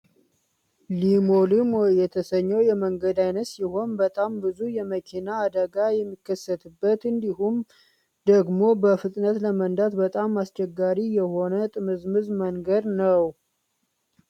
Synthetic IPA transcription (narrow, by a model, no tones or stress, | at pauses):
limolɨmwjɛt̪ʰəsəɲːəwjɛməŋɡəd̪ajnət̪siho̞nbət̪ʼambɨzujɛməkʰinaːd̪əɡajɛmːikːəsːət̪ʰɨbːət̪ɨnd̪iɦum | d̪əɡmobəfɨt̪ʼnət̪ləmənd̪at̪bət̪ʼamːast͡ʃɛɡːaɾijɛho̞nət̪ʼɨmɨzmɨzməŋɡəd̪nəw